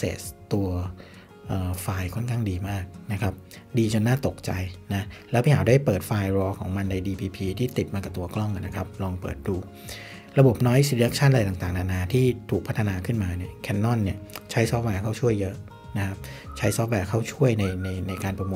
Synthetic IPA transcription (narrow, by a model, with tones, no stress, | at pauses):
sḛː˨˩t̪u˧ɐ | ʔəː˨˩faː˧jkʰɔ˥˩nkʰaː˥˩ŋdiː˧maː˥˩k̚na˦˥kʰɾa˦˥p̚ | diː˧t͡ɕa˧naː˥˩t̪o˨˩k̚t͡ɕa˧jna˦˥lɛː˦˥wpʰiː˥˩hʰaː˩˦daː˥˩jpɤː˨˩t̪̚faː˧jɾɔː˧kʰɔ̰ː˩˦ŋma˧nːa˧jdiː˧pʰiː˧pʰiː˧t̪ʰiː˥˩t̪i˨˩t̪̚maː˧ka˨˩t̪u˧ɐklɔ˥˩ŋʔa˨˩na˦kʰa˦˥p̚lɔː˧ŋpɤ̰ː˨˩t̪̚duː˧ | ɾa˧bo˨˩p̚nɔː˦˥jsi˧ɾi˧˦˧k̚t͡ɕʰa˥˩nʔlaː˧jt̪a˨˩ŋt̪aː˨˩ŋnaː˨˩naː˧˩t̪ʰiː˥˩t̪ʰuː˨˩k̚pʰa˦˥t̪ʰa˧naː˧kʰɯ˥˩nmaː˧ni˥˩ɐkʰɛ˧nːɔ˥˩nːi˥˩ət͡ɕʰa˦˥jsɔː˦˥p̚wɛː˧kʰa˥˩wt͡ɕʰu˥˩əjːɤ˦˥ʔ | na˦˥kʰa˦˥p̚t͡ɕʰa˦˥jsɔː˦˥p̚wɛː˧kʰa˥˩wt͡ɕʰu˥˩əjna˧jna˧jna˧jkaː˧npɾa˧mu˧